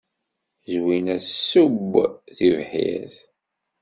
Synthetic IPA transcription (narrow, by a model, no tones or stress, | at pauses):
zwinæsubθivħḭθ